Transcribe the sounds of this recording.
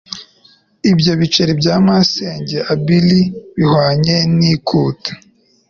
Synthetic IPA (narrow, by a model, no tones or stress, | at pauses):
ibɟo̞βit͡ʃeɾibɟaːmaseːɲɟeʔabiliβihwaːɲe̞nikʰuːtḁ